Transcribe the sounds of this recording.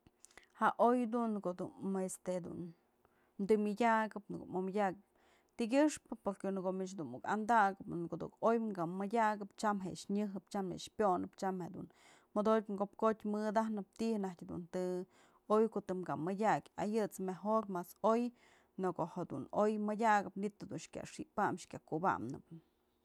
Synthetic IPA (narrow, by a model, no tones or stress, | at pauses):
haʔojd̪unkod̪unest̪ed̪ṵn | md̪ɨmʲɨdʲaɡɨpnɨɡo̰ʔmomadʲakɨp̚ | t̪iɡʲɨʂpɨpoɾkenɨɡoʔmit͡ʃd̪unuka̰nd̪aɡɨpkod̪ṵkojŋɡamɨdʲaɡɨpt͡ʃamɦḛʔʂɲɨɦɨpt͡ʃamḛʔʂpʲjonɨpt͡ʃamhed̪ṵn | mod̪oŋɡop̚kot̪ʲmɨd̪ahnɨp̚t̪iʔhnahtʲhd̪ṵnt̪ɨ | ojkoʔt̪ɨmɡamɨdʲakʲajɨt͡smaɦoɾmasoj | nɨkoʔhad̪ṵnojmɨdʲaɡɨpnit̪ːɨd̪unʂkʲa̰ʂiʔpamʂkʲakuba̰mnɨp